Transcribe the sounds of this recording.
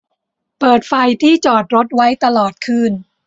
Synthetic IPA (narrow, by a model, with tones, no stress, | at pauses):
pɤː˨˩t̪̚fa˧jt̪ʰiː˥˩t͡ɕɔː˨˩t̪̚ɾo˦˥t̪̚wa˦˥jt̪a˧lɔː˨˩t̪̚kʰɯː˥˩n